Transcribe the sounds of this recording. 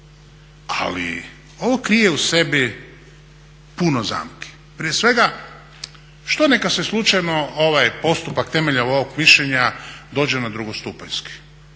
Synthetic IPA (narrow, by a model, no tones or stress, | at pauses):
a̰lḭ | o̞ʋo̞kɾije̞use̞bi | punoza̰ːmki̥ | pɾije̞sʋe̞ɡa | ʃt̪onekaseslˠut͡ʃajnooʋajpo̞st̪upakt̪e̞meʎauoʋoɡmiʃʎeɲad̪o̞ːd͡ʑenad̪ɾuɡost̪upaʎski̥